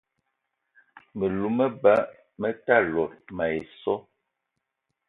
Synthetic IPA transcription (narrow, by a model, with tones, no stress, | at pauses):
mə˨lu˨˦mə˦ba˦ | mə˦ta˦˨lɔ˨tma˨e˨sɔ˦